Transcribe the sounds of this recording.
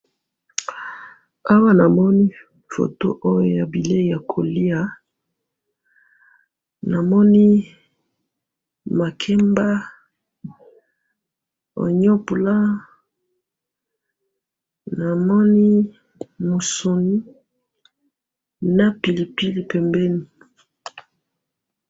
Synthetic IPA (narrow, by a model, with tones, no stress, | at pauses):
a˦wa˦na˨mɔ˦ni˦ | fo̰˨to̰˦ʔo˦jo˦ja˨bi˨le˦˨ja˨kʰo˨li˦a˨ | na˨mɔ˦ni˦ | ma˨kʰɛ˦mba˦ | o̰˨ɲɔ˦pu˨la˦ | na˨mɔ˦ni˦ | mo˨so˨ni˦ | na˦pi˨li˨pi˦li˨pɛ˨mbɛ˦ni˨